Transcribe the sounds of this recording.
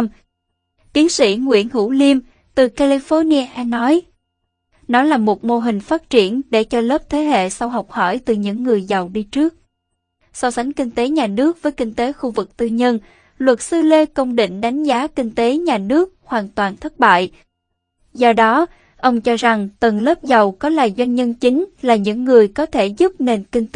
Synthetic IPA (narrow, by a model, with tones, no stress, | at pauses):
t̪i˨˦ənsḭ˧˩ŋwḭ˧˥ənhṵ˧˥li˧əm | t̪ɨ˨˩ka˧li˧fɔ˧ni˧ə˧ʔɛ˧nɔ˨˦j | nɔ˨˦laː˨˩mo˨˩t̚mo˧ɦï˨˩ŋ̟faː˦˥t̚t͡ɕi˧˩ənɗḛ˧˩t͡ɕɔ˧ləː˦˥p̚t̪ʰe˨˦ɦḛ˧˨sa˧wɦa˨˩wk͡p̚hɔ˧˩jt̪ɨ˨˩ɲɨ̰˧˥ŋːɨ˨˩əjza˨˩wɗi˧t͡ɕɨ˦˥ək̚ | sɔ˧wsa˨˦jŋ̟kï˧ŋ̟t̪e˨˦ɲaː˨˩nɨ˦˥ək̚vəː˨˦jkï˧ŋ̟t̪e˨˦xu˧vɨ˨˩k̚t̪ɨ˧ɲə˧n | lwə˨˩t̚sɨ˧le˧kə˧wŋ͡mɗḭ̈˧˨ŋ̟ɗa˨˦jŋ̟zaː˨˦kï˧ŋ̟t̪e˨˦ɲaː˨˩nɨ˦˥ək̚hwaː˨˩nt̪waː˨˩nt̪ʰə˦˥t̚ɓa̰ː˧˨j | zɔ˧ɗɔ˨˦ | ʔə˧wŋ͡mt͡ɕɔ˧za˨˩ŋt̪ə˨˩ŋləː˦˥p̚za˨˩wkɔ˨˦laː˨˩jzwa˧jnɲə˧nt͡ɕï˨˦ŋ̟laː˨˩ɲɨ̰˧˥ŋːɨ˨˩əjkɔ˨˦t̪ʰe˧˩zu˦˥p̚ne˨˩nkï˧ŋ̟